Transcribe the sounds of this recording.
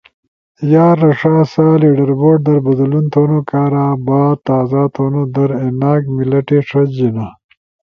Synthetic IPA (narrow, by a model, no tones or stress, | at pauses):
jaːɾːɐʂaːsaːliɖɐɾboːɖ̚d̪ɐɾbɐd̪lunt̪ʰoːnokaːɾaːbaːt̪aːzaːt̪ʰoːnod̪ɐɾenaːkmilɐʈeʂʰɐd͡ʑina